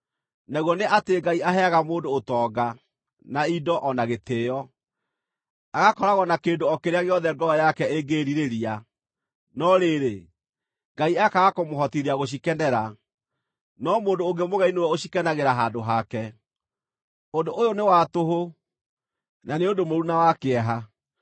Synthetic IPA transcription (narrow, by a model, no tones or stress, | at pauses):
naɣwɔneʔateɡaiaɦɛaɣamoːndoːtɔːɡa | naidɔʔɔnaɣeteːjɔ | aɣakɔɾaɣɔnakeːndoɔkeɾeaɣeɔðɛɡɔɔjakɛeɡeːɾiɾeɾia | nɔɾeːɾe | ŋɡaiakaɣakomoɦɔtiɾeaɣoɕ̬ikɛnɛɾa | nɔmoːdoːŋɡemoɣainowɛoɕikɛnaɣeɾaɦaːndoɦakɛ | ondoʔojonewatoɦo | naneondomoɾunawakeɛɦa